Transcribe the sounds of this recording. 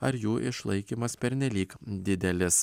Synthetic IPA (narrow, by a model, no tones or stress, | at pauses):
ɐɾjuːʔɪʃlˠɐɪkʲiːmɐspʲɛɾʲnʲɛlʲiːkd̪ʲɪd̪ʲɛlʲɪs